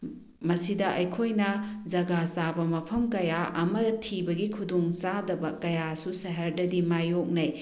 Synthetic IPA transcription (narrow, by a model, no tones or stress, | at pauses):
mɐsidɐʔɐjkʰojnɐd͡ʒɐɡasabɐmɐpʰɐmkɐjaʔɐmɐtʰibɐɡikʰudoŋsadɐbɐkɐjasusɐɦɐɾdɐdimajok̚nɐj